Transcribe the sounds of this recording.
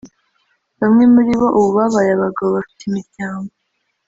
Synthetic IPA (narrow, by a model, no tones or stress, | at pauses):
βamŋe̞muɾiβo̞ʔuβuβaβajaβaɡaβaβafi̥timiɾɟaːŋɡo